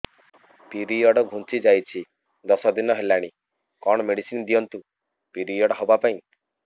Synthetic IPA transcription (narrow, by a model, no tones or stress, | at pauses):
piɾijɔɽɔɡʱũnt͡ʃid͡ʒajt͡ʃʰi | d̪ɔsɔd̪inɔɦelaɽ̃i | kɔɽ̃ɔmeɽisind̪ijɔnt̪u | piɾiɔɽɔɦɔbapaĩ